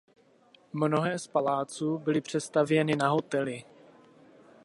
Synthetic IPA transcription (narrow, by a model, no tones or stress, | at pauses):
mno̞ɦɛːspalaːt͡suːbɪlɪpr̝̥ɛst̪avjɛnɪnaɦo̞t̪ɛlɪ